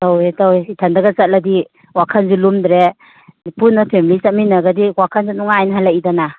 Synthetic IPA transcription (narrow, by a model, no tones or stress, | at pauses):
tawetawitʰandaɡasat̚ladi | wakʰanzulumdɾe | punːapʰemilisat̚minaɡadiwakʰanzunuŋaːjnɦalaʔidana